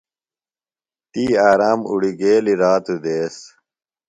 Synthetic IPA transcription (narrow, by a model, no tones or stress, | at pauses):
t̪iːaːɾaːmṵɽiɡeːliɾaːt̪ud̪eːs